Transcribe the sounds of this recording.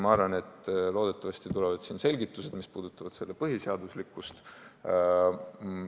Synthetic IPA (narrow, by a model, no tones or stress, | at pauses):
mɑɑɾvɑne̞t̪ːlo̞ːd̪̥e̞t̪ːˑɑvɑst̪it̪ulevɑd̪̥siːnse̞lʲɡit̪ːˑuse̞d̪̥mispuːd̪̥ut̪ːˑɑvɑd̪̥se̞lːepɤɦiseɑd̪uslikːˑust̪